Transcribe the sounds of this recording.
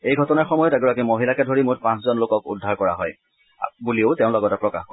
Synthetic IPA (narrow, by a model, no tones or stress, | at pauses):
ejɡʱɔtɔnaɹxɔmɔjɔtɛɡɔɹakimoɦilakɛdʱoɹimʊtpãszɔnlokɔkṵdʱːaɹkɔɹa̰ɦɔj | bulioʊtɛʊ̃lɔɡɔtɛpɹɔka̰xk